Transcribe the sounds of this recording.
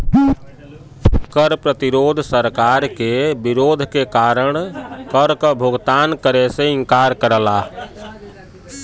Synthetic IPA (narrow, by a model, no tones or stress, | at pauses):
kəɾpɾət̪iɾod̪ʱsəɾkaɾkebiɾod̪ʱkekaɾəɳ̃kəɾkəbʱoɡt̪ankəɾesẽɪŋkaɾkəɾəla